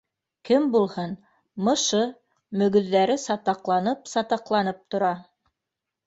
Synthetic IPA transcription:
kɘmbulˠhɤn | mɤ̆ʃɤ | mɵ̆ɡɵ̆ðːæɾɘsɑt̪ɑqlˠɑnɤpsɑt̪ɑqlˠɑnɤp̚t̪ŏɾɑ

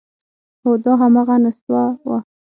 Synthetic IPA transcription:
hod̪ɑɦamaɣanaswawa̰

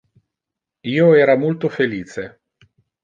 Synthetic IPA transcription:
iːoɛːɾamolt̪ofeliːt͡ʃe

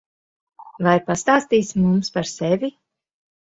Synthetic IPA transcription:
vajpast̪aːst̪iːsmumspaɾsevʲi

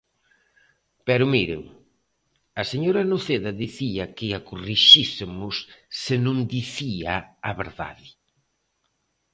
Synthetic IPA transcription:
pɛɾʊmiɾɪ̰ŋ | ɐseɲoɾɐnoθeðɐðiθiɐkɪakuriʃisɪmʊsːɪnõŋd̪iθiɐɐβḛɾða̰ðɪ

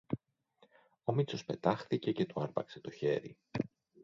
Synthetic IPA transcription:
o̞mit͡so̞spe̞t̪ɐxθice̞ce̞t̪uɐɾpɐkse̞t̪o̞çe̞̰ɾi

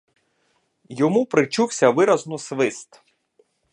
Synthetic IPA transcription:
jɔmupɾɪt͡ʃuwsʲɐʋɪɾɐznʊsʋɪst̪

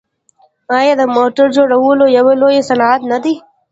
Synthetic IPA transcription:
aːjed̪ɐmoːʈəɾd͡ʒoːɾɐʋuːloːjɐʋeloːjeːsɐnaːd̪nɐd̪iː

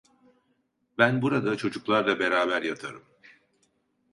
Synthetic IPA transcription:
bænbuɾad̪at͡ʃʰo̞d͡ʒuklˠaɾd̪ˠabeɾaːbæɾjat̪ʰaɾɯ̰m

